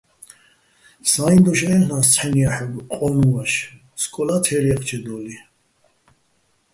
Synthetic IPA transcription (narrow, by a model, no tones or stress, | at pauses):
saind̪ɔʃɛnast͡sʰħɛnijaħɛɡqʼɔnuvaʃ | skʼɔlat̪ʰɛɾɛqʼt͡ʃʰɛd̪ɔli